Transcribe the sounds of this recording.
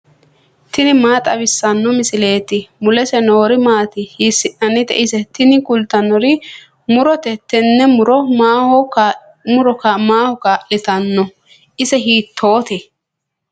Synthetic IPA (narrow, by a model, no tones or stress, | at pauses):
t̪ɪnɪmaːt̪ʼɐβɪsːɐnːɔmɪsɪle̞ːt̪ɪmʊlɛsɛno̞ːɾɪmaːt̪ɪhisːɪʔɐnːɪt̪ɛ̰ʔɪsɛt̪ɪnɪkʊlt̪ːɐnːɔɾɪ | mʊɾɔt̪ɛt̪ɛnːɛmʊɾɔmaːhɔ | mʊɾɔkamaːhɔkaːʔɪt̪ɐnːɔ | ʔɪsɛɦiːt̪ʰːo̞ːt̪ɛ